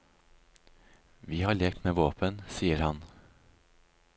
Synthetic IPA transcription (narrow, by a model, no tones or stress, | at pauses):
ʋiːhɑːɭeːkt̪meːʋoːpʰənsiːəɾhɑn